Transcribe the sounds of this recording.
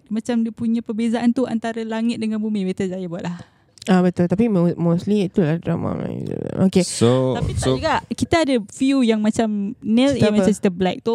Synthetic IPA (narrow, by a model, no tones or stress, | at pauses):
mãt͡ʃamdipuɲãpərbezaʔant̪ua̰nt̪aɾəlaŋɪt̪̚dəŋanbumĩbet̪əzajəbuaʔ̪lah | abət̪ʊlt̪apimmosliit̪ulahdɾama̰a̰a̰okesoapiɡaʔkit̪aadəfjujaŋmat͡ʃamnɛ̃limãasi̥t̪əblɛk̚t̪u